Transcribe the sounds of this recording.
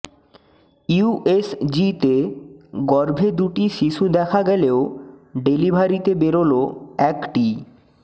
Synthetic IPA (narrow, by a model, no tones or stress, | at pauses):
uʔesd͡ʑit̪eɡɔɾbʱed̪uʈiʃiʃud̪ɛkʰaɡɛleoɖelibʱaɾit̪ebeɾoloɛkʈi